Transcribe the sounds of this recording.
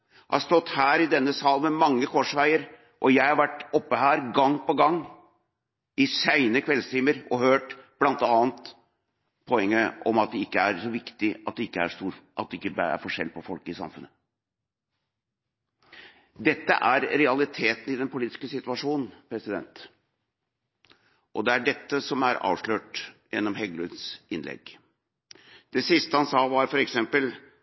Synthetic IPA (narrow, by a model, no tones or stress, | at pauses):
hɑ̰hɑst̪ɔt̪ːhæːɾɪd̪ɛnːəsɑːlmɛmɑŋːəkʰɔʂʋæɪəɾ | ʔɔjæɪhɑɾʋæʈːɔpːəhæːɾɡɑŋːpɔɡɑŋː | ɪsæɪnəəkʰʋɛlst̪ʰɪməɾɔhøːʈb̥lɑnt̪ɑːnt̪ | pʰɔɛŋːəʔɔmɑt̪̚d̪ɛɪkːəæɾsɔʋɪkt̪ɪɑt̪̚d̪ɛɪkːəæ̰ʂt̪uːɾʔɑt̪̚d̪ɛɪkːəbæ̰ɾfɔʂɛ̰lpʰɔfɔlkəɪsɑ̰mfʉnːə | d̪ɛt̪ːə̰ʔæɾɾɛɑlɪt̪ʰeːt̪n̩ɪd̪ɛnpʊliːt̪ɪ̥skəsɪt̪ʉɑʂuːnn̩pʰɾɛsɪd̪ɛnt̪ | ʔɔd̪ɛæɖɛt̪ːəsɔmæɾɑ̰ːʋʂløːʈjɛnːɔmhɛɡlʉd̪sɪnlɛ̰ɡ | d̪̥ɛsɪst̪əhɑnsɑːʋɑɾfɔɾɛksɛmpəl